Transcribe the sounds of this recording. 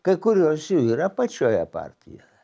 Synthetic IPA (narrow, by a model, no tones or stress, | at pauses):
kekːuɾjosiiɾapat͡ʃaja̰pa̰rt̪ʰḭɾe